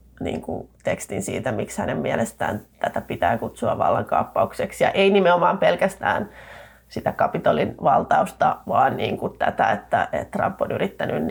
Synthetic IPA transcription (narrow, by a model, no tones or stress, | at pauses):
nḭːŋkut̪ekst̪insḭːt̪æmikshænemmiɛlest̪æːnt̪æt̪æpit̪æːkut̪suɑʋʋɑ̰lːɑŋkɑ̰upːɑukseksjɑʔeinimeomɑːmpelkæst̪æ̰ːn | sit̪ækɑpit̪olinʋɑlt̪ɑust̪ɑʋɑːnniːŋkut̪æt̪æet̪ːæʔḛt̪ːrɑ̰mpːonyrit̪ːænyn